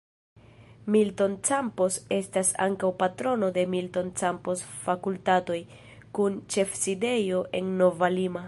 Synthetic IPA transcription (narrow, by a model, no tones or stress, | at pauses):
milto̞nt͡sampose̞stasa̰ŋkawpatɾo̞no̞de̞milto̞nt͡samposfakultato̞j | kunt͡ʃe̞fside̞jo̞ʔe̞nːo̞valima